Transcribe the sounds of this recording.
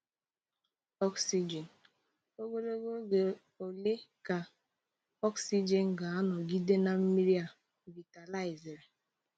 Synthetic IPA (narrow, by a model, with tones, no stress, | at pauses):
ɔ˦ksi˨d͡ʒe˨n˨ | o˦ɡo˦lo˦ɡo˦ɡe˨ | o˨le˦ka˨ | ɔ˦ksi˦d͡ʒe˨n̩˨ɡa˨a˦nɔ˨ɡi˦de˦na˨m̩˦mi˦ɾi˦a˨ | vi˨ta˨la˦ɪ˨ze˨ɾe˨